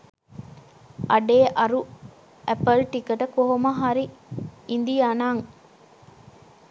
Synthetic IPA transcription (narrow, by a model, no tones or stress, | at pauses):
ʔɐɖeːʔɐɾu | ʔæpəlʈikɐʈɐkoɦomɐɦaɾiind̪ijanaːŋ